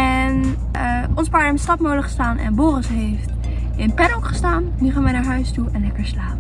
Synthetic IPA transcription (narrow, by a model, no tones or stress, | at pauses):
ɛn | ə | ɔnspaɹɛmstɑtmoləkχə̥staːnʔɛ̰nboːrəsɦejft | ɪnpɛnɔkχə̥staːnːyχaːnʋɛjnaːɹɦœɥstuɛnlɛkəɹslaːpə